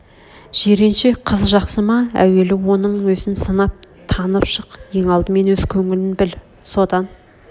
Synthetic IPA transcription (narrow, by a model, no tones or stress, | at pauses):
ʒ̥eɾenʃeqʰəzʒɑqsəmɑæ̰we̞lɪwo̞nəɴwɵzɪnsənɑp̚t̪ʰɑnəpʃəqje̞ŋɑlˠd̪əme̞nwɵz̥kʲʰɵŋɪlɪnbɪl | so̞d̪ɑn